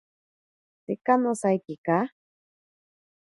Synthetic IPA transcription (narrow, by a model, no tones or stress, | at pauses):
sikanosajkika